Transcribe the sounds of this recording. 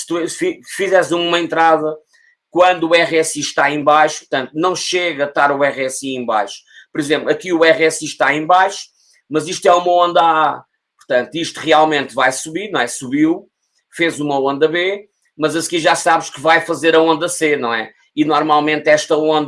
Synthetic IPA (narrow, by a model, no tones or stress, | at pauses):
sɨ̥t̪ufifizɛszũumɐẽnt̪ɾaðɐ | kwɐ̃nd̪uuɛʁɛsiʃt̪aẽj̃bajʃu̥puɾt̪ɐ̃nt̪̚unɐ̃w̃ʃeɣɐɐt̪aɾuɛʁɛsiẽj̃ba̰jʃu̥pɔɾizẽmplˠɐkiuɛʁɛsiʃt̪aẽbajʃu̥ | mɐziʃt̪wɛumɐõnd̪ɐa | puɾt̪ɐ̃nt̪uiʃt̪uʁialˠmẽnt̪vajsuβiɾnɐ̃w̃ɛsuβiw | fezumɐõnd̪ɐβe | mɐzɐskiʒasaβʃkɨvajfɐzeɾɐõnd̪ɐsenɐ̃w̃ɛ̰ | inɔɾmalˠmẽnt̪ɛʃt̪ɐõnd̪ɐ